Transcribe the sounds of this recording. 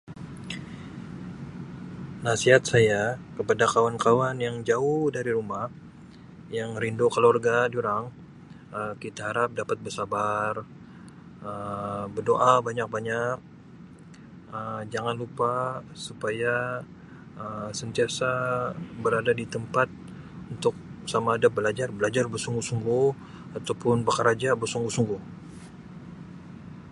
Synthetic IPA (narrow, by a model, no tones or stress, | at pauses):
nasiɦat̪̚sajakəpadakawankawanjaŋd͡ʒauhdaɾiɾumah | jaŋɾindokəlorɡad͡ʒuɾaŋ | əkit̪aɦaɾap̚dapat̪̚bərsabar | əbərdoʔabaɲak̚baɲak̚ | əmd͡ʒaŋanlupasupaja | əsənt̪iasabəɾadadit̪əmpat̪̚ | unt̪ʊk̚samaːdabəlad͡ʒarbəlad͡ʒarbərsuŋɡuhsuŋɡuh | at̪awpʊnbakaɾad͡ʒabərsuŋɡuhsuŋɡuh